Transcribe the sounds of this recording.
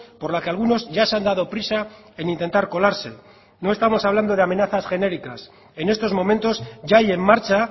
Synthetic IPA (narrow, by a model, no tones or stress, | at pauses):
po̞ɾlake̞alɣ̞uno̞zʝaseand̪að̞o̞pɾisa | e̞nint̪e̞nt̪aɾko̞laɾse̞ | no̞est̪amo̞saβland̪o̞ðe̞ame̞naθasxe̞ne̞ɾikas | e̞ne̞st̪o̞zmo̞mẽnt̪o̞zʝaaje̞mːaɾt͡ʃa